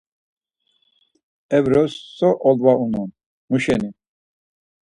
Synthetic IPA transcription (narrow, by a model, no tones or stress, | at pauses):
ɛvɾɔsːɔʔɔlvaunɔn | muʃɛni